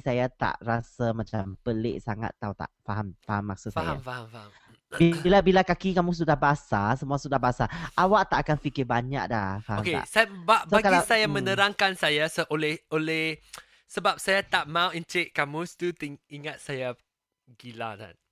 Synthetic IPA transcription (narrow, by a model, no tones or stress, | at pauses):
sajat̪a̰ʔrasamãt͡ʃampəlḛʔsaŋa̰t̪ːaut̪a̰ʔfaɦamfaɦamasasfa̰jaa̰mfahamfam | blabilakakikamũs̬udahbasasəmuasudaɦbaasaʔawaʔt̪aʔakanfikɪbaɲa̰k̚dahfahaokea̰ʔsabasaɡkalaisajamə̃nəɾaŋkansajasəʔolɛholɛh | səbap̚sajat̪aʔmãwint͡ʃeʔ̚kamust̪ut̪iiŋat̪̚saja | ɡilat̪a̰n